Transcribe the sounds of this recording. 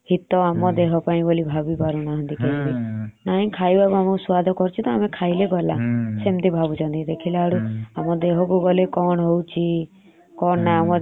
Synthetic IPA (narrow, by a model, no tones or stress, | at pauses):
hit̪ɔamɔd̪eɦɔpaĩbolibʱabibaɾũnaɦɔ̃nt̪ikeɾbinaɦĩkʰajbakuamɔsuad̪ʱɔkɔɾt͡ʃʰit̪ɔamekʰajleɡɔlasemt̪ibʱabud͡ʒɔ̃nt̪id̪ekʰileaɽuamɔd̪eɦɔɡuɡɔlekɔɳ̃ɦowt͡ʃʰi | kɔnːaamɔ